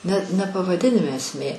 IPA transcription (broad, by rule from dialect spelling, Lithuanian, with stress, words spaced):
nʲɛ nʲɛ pɐʋɐˈdʲɪnʲɪmʲɛ ɛsʲˈmʲeː